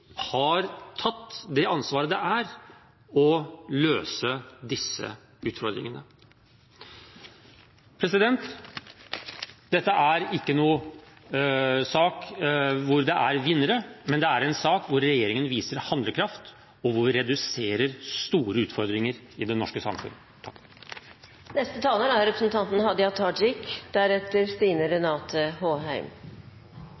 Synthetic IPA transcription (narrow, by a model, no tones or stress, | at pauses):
hɑɾt̪ʰɑt̪ːd̪ɛɑnsʋɑːɾəd̪ɛæɾ | ɔløːsəd̪ɪsːə̰ | ʉːt̪fɔɾd̪ɾɪ̰ŋənə | pʰɾɛsɪd̪ɛnt̪ | d̪ɛt̪ːəʔæɾɪkːənuː | sɑːkʋʊɾd̪ɛʔæɾʋɪnːəɾəmɛnd̪ɛæɾɛnsɑːkʋʊɾːɛjeːɾɪŋənʋiːsəɾhɑnd̪ləkʰɾɑft̪ | ɔʋʊɾʋɪɾɛd̪ʉseːɾəɾst̪uːɾəʉːt̪fɔɾd̪ɾɪŋəɾ | ɪd̪ɛnːɔʂkəsɑ̰mfʉ̰n | t̪ʰɑkː | nɛst̪ət̪ʰɑːləɾæɾɾɛpɾə̥snt̪ʰɑnt̪ənhɑd̪əɑt̪ʰɑd͡ʒɪkd̪̥æɾɛt̪ːəɾst̪iːnəɾɛnɑːt̪ʰəhoːɦæɪm